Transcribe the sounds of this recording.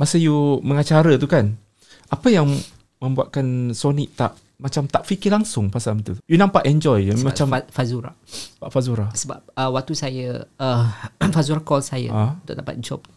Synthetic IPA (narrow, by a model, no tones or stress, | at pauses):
masəjuməŋat͡ʃaɾət̪ukan | ʔapəjaŋ | mə̃mbuaʔ̪̚kansoniʔt̪aʔ | mat͡ʃamt̪aʔfikɪlaŋsʊŋpasamt̪ujunãmpaʔɛnd͡ʒɔjmãt͡ʃamfazuɾa̰baʔfazuɾasəba̰p̚əwak̚t̪usajəəfazuɾakɔlsajə̰aunt̪ʊ̰kʔdapa̰t̪̚d͡ʒɔ̰p̚